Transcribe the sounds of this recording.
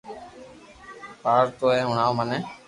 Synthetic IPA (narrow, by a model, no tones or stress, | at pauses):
paːɾt̪oːɦeːɦʊɳaːoːməneː